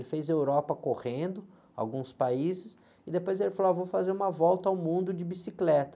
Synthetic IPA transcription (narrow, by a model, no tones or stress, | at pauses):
lɪfezewɾɔpɐkohẽnd̪ʊ | a̰wɡũspaizɪs | ɪd̪epojzelɪfaloavowfazeɾũmɐvɔwt̪ɐawmũnd̪ʊd͡ʒɪbisiklɛt̪ɐ̥